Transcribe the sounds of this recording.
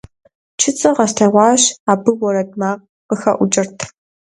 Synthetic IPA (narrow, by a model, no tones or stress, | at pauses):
t͡ʃʰɪt͡sʼɐʁɐsɬɐʁʷɑːɕaːbɨwɔɾɐdmaːq̚ | qəxɐ̰ʔʷʊt͡ʃʼɐrtʰ